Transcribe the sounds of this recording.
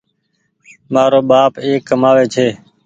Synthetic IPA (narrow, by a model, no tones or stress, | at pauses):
maːɾoːɓaːpeːkːəmaːʋeːt͡ʃʰeː